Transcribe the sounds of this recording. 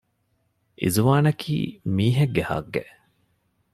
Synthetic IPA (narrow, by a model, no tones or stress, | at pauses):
ʔḭzuʋaːnɐkʰḭːmiːɦeɡːehɐ̰ɡːḛʔ